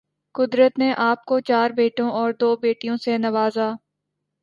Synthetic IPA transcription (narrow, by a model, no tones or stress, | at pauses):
kʊd̪ɾət̪neʔaːp̚kot͡ʃaːɾbeːʈõʔɔːɾd̪oːbeːʈijõsenɐʋaːzaː